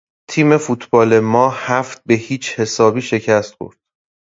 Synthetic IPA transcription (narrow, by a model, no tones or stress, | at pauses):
t̪ʰiːme̞fut̪ʰbɒːle̞mɒːhæft̪̚be̞hiːt͡ʃʰhe̞sɒːbiːʃe̞cʰæst̪xo̰ɾd̪̥